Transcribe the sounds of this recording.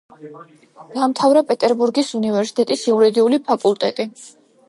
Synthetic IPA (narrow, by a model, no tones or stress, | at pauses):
d̪̥amt̪ʰavɾapʼɛt̪ʼɛɾbuɾɡisunivɛɾsi̥t̪ʼɛt̪ʼisiuɾɛd̪iulipʰakʼulˠt̪ʼɛt̪ʼi